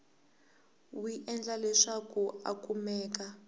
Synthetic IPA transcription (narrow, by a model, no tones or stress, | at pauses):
wiʔɛnd͡ɮalɛʂakua̰kumɛːka